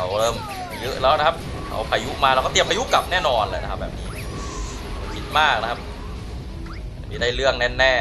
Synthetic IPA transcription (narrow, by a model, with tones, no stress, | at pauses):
a˧˩wɾɤː˧˩m˩ | jɤ˦˥ʔɾɛː˦˥wna˦˥kʰa˦˥p̚ | ɾʰa̰˧˩wpʰaː˧ju˦˥ʔmaː˧ɾwkɔː˥˩t̪i˧əmpʰaː˧ju˦˥ka˨˩p̚nɛː˥˩nɔː˧nlɛ̰ː˨˩na˦kʰa˦˥p̚bɛ̰ː˨˩p̚niː˦˥˧ | a˧˩kʰi˦˥t̪̚maː˥˩k̚na˦˥kʰa˦˥p̚ | miː˧˥˧daː˥˩jɾɯ˥˩əŋnɛ˥˩n̚nɛː˥˩